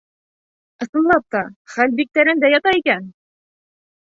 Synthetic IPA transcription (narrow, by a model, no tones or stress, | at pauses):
ɤ̆sɤ̆nlˠɑp̚t̪ɑχælbik̚t̪æɾɘnd̪æjɑt̪ɑikæn